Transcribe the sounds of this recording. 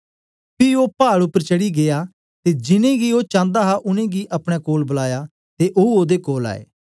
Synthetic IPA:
piopaːɽʊpːəɾt͡ʃɐɽiɡeja | t̪ed͡ʒɪnẽɡioːt͡ʃãːnd̪aɦaʔʊnẽɡiʔɐpɽ̃ɛkoːlbʊlaːja | t̪eʔouoːd̪ekoːla̰ːḛː

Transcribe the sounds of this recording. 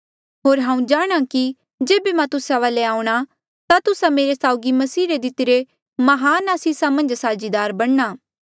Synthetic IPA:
ɦoːɾɦãːũd͡ʒaːɽ̃aki | d͡ʒeːbemãt̪ʊsaʋaːleaːũɽ̃a | t̪at̪ʊsãmeːɾesaːʊɡimɐsiːɾed̪ɪt̪ɪɾe | mɐɦaːnaːsiːsamɐ̃nd͡ʒsaːd͡ʒid̪aːɾbɐɽ̃naː

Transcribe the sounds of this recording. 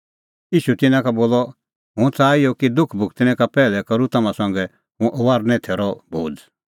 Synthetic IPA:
iːʃut̪ɪnãkaboːlɔ | ɦũt͡saːijɔkid̪ʊkʰbʱʊkʰt̪ɪnɛ̃kapɛːlɛkɐɾut̪ɐmãsɐ̃ŋɡɛ | ɦũʔɔʋaːɾnɛ̃t̪ʰeːɾɔbʱoːd͡z

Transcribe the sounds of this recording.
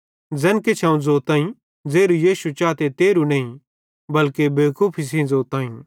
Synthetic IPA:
d͡zɛ̃ːnket͡ʃʰãũd͡zoːt̪aːĩ | d͡zeːɾujiːʃut͡ʃaːt̪et̪eːɾuneĩ | bɐlkebeːkopʰis̬ĩzoːt̪ãːĩ

